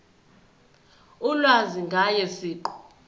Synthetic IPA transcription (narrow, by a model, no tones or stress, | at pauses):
ulwaziŋɡʱajɛsiːǃɔ̥